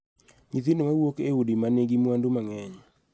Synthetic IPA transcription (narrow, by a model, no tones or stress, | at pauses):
ɲitinomawokeudimaneɡimwandumaŋɛɲ